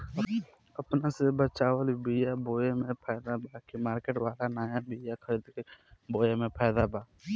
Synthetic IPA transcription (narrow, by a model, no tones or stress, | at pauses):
əpnasebət͡ʃaːwəlbijaboːjemẽpʰɛːd̪abaːkimaːɾkeʈwaːlanaːjabiːjakʰəɾid̪keboːjemẽpʰɛːd̪abaː